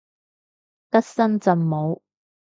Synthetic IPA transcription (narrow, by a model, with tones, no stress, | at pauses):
t̪ɐ˥k̚sɐ˥nt͡sɐ˨nmo˨˧w